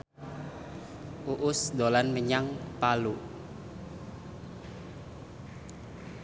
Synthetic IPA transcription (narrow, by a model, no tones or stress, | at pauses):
ʔuʔʊsd̪olanməɲaŋpalu